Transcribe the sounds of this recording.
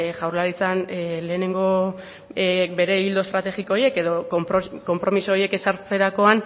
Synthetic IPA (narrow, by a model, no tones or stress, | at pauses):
ʝawɾlaɾit͡sanle̞ːne̞ŋɡo̞ | be̞ɾe̞ild̪o̞st̪ɾat̪e̞ɣikoje̞ke̞ðo̞kko̞mpɾo̞misoje̞ke̞saɾt͡se̞ɾako̞an